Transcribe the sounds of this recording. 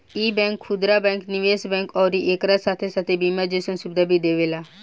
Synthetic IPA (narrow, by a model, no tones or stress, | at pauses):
iːbɛ̃ːŋkʰːʊd̪ɾaːbɛ̃ːŋknɪʋeːsbɛ̃ːŋkɔːɾiʔeːkɾasaːt̪ʰesaːt̪ʰebiːmad͡ʒeːsənsʊbɪd̪aːbʱiːd̪eːʋeːlaː